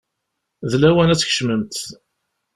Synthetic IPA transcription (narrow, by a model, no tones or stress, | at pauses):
ðlæwænæt͡sːçə̥ʃməmt̪